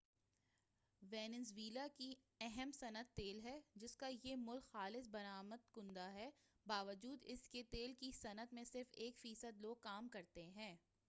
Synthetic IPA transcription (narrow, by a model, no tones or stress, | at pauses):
ʋɛːnɪzʋiːlaki | ɛɦɛmsɐnət̪ːeːlɦɛd͡ʒɪskajemʊlkxaːlɪsbɐɾaːməd̪̚kʊ̃nd̪aɦɛ | baːʋəd͡ʒuːd̪ɪsket̪eːlkisɐnət̪mẽsɪɾfeːkfiːsəd̪loːɡ̚kaːmkɐɾt̪eɦɛ̃ː